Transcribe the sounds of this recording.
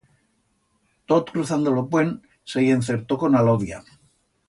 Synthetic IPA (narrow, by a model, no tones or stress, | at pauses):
t̪ot̪kɾuθand̪olopwen | sejenθeɾt̪oko̞naloðja̰